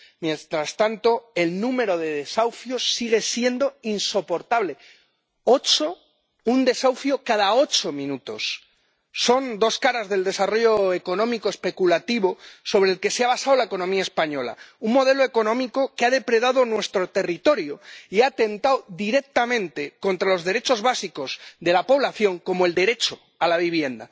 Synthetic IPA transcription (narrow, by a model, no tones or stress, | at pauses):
mje̞nt̪ɾast̪ant̪o̞e̞lnũme̞ɾo̞ð̞e̞ðe̞sawfjo̞sːiɣ̞e̞sje̞nd̪o̞inso̞po̞ɾt̪aβ̞le̞ | o̞t͡ʃo̞ | und̪e̞sawfjo̞kaðao̞t͡ʃo̞mĩnut̪o̞̰sː | o̞nd̪o̞skaɾazðe̞ld̪e̞saro̞ʝo̞e̞ko̞nõ̞mikoe̞spe̞kulat̪iβo̞so̞β̞ɾeːlke̞seaβ̞asawlaeko̞nõ̞miaespaɲo̞la̰uŋmo̞ð̞e̞loe̞ko̞nõ̞miko̞keaðe̞pɾe̞ð̞aðonwe̞st̪ɾo̞t̪e̞rit̪o̞ɾjoiat̪e̞nt̪awðiɾe̞k̚t̪amẽ̞nt̪e̞ko̞nt̪ɾalo̞zðe̞ɾe̞t͡ʃo̞zβasiko̞zd̪e̞lapo̞β̞laθjo̞ŋko̞moe̞ld̪e̞ɾe̞t͡ʃo̞ | alaβiβ̞je̞nd̪a̰